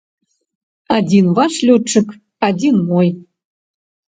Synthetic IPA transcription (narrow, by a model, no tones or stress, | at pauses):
ɑd̪ʲinvɑʃlʲøt͡ʃə̆k | ɑdʲinmoj